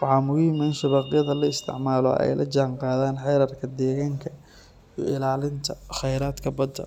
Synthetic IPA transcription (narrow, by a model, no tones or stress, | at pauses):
wɑħɑːmʊɣʊjɪmaːnʃɐβɑːqɪjɐðɐlɐɪst̪ʰɪ̰ʕmaːlɔ̰ɛ̰jlʔɐ̰t͡ʃaːŋqɑːðaːnħɛjɾɐrkʰɐd̪ɛːɣaːŋkʰɐ | ij̰ɪlaːlɪnt̪ʰɐχɛjɾaːd̪kʰɐbɐd̪ːɐ̰